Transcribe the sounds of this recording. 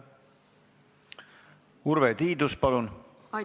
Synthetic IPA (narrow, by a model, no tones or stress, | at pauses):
uɾvet̪iːd̪uspɑlun